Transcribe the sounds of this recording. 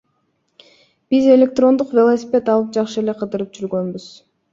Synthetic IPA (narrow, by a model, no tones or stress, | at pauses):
b̥ize̞lʲe̞k̚t̪ro̞nd̪uqvʲelˠosʲipʲe̞t̪ɑlˠɯp̚d͡ʒɑqʃɯe̞le̞qʰɯd̪ɯɾɯp̚d͡ʒyɾɡø̞nbyz̥